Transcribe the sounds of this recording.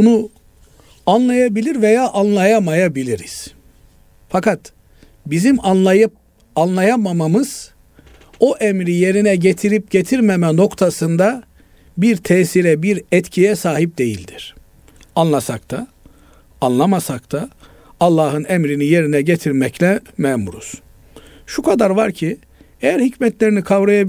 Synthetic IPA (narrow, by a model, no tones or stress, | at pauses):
bunu | anlˠajabilʲiɾvejaːʔanlˠajamajabilʲiɾiz̥ | fakat̪ | bizimanˠajɯp̚ | anlˠajamamamɯz̥ | o̞ʔɛmɾije̞ɾinɛɟet̪ʰiɾip̚ɟet̪ʰiɾmemɛno̞kt̪ʰasɯnd̪a | biɾt̪ʰɛːsiɾɛbiɾɛt̪cʰijɛsaːɦip̚d̪e̞jilʲd̪iɾ̥ | anlˠasak̚t̪ʰa | anlˠamasakt̪ʰaː | lˠːaːɦɯnɛmɾinije̞ɾinɛɟet̪ʰiɾmɛclʲɛmɛmuɾṵs | ʃukʰad̪aɾvaɾcʰi | ejæɾhicmɛt̪lʲe̞ɾinikʰavɾajab